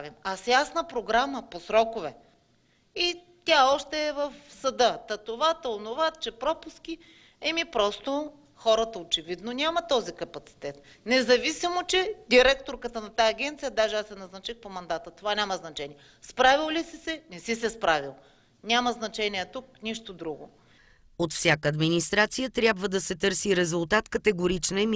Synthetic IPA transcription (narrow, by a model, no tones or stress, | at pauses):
vimasjasnəpɾoɡɾaməposɾɔkʊvɛ | i | t̪ʲaɔʃt̪ɛːvəfsɐd̪ɤt̪ɐt̪ovat̪əʊnovat̪t͡ʃɛpɾɔpʊskʲi | ɛmipɾɔst̪o | xɔɾət̪əot͡ʃɛvid̪nonʲamɐt̪ɔzikɐpɐt̪si̥t̪ɛt̪̚ | nɛzɐvisimot͡ʃɛd̪iɾɛkt̪oɾkət̪ənɐt̪aːɡʲɛnt̪sijəd̪aʒɛasɛnɐznɐt͡ʃixpomɐnd̪at̪ət̪ovanʲamɐznɐt͡ʃɛniɛ | spɾavilˠlisisɛnɛsisɛspɾavilˠ | nʲamɐznɐt͡ʃɛniɛt̪uk̚niʃt̪od̪ɾuɡo̰ | ot̪fsʲjakəːd̪minist̪ɾat̪sijət̪ɾʲjabvəd̪ɐsɛt̪ɤɾsiɾɛzʊlˠt̪at̪kət̪ɛɡoɾit͡ʃnɛm